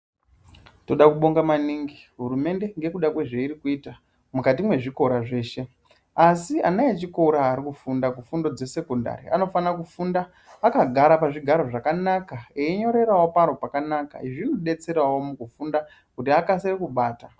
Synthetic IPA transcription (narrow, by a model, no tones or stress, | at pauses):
to̞ɗakuɓo̞ŋɡamaniːŋɡiɦurume̞nde̞ŋɡe̞kuɗakwe̞ʐeiɾikuiːta | mukat̬imwe̞ʐiko̞ɾaʐe̞ːʃe̞ | asia̰najet͡ʃikoɾaːɾikufundakufundo̞d͡ze̞se̞konda̰ɾḭa̰no̞fanakufundaː | kaɡʱaɾapaʐiɡʱaɾo̞ʐakanakaeiɲo̞ɾe̞rawo̞paɾo̞pakanaka̰iʐinoɗe̞t͡se̞rawo̞mukufunda | kutiakaserekuɓaːta